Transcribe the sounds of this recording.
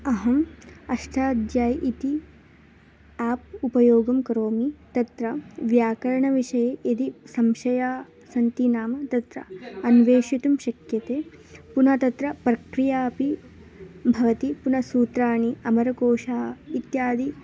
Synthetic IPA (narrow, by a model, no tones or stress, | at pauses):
ɐɦɐmɐʂʈʰaːd̪jaːjʔit̪i | aːp̚upɐjoːɡɐmkɐɾoːmit̪ɐt̪ɾɐʋjaːkɐɾɐɳɐʋiʃɐjeed̪isɐmʃɐjaː | sɐnt̪inaːmɐt̪ɐt̪ɾɐ̰ɐnʋeːʃit̪umʃɐkjɐt̪eːpunɐt̪ɐt̪ɾɐpɾɐkɾijaːpi | bʱɐʋɐt̪ipunɐsuːt̪ɾaːɳiɐmɐɾɐkoːʃaːit̪jaːd̪i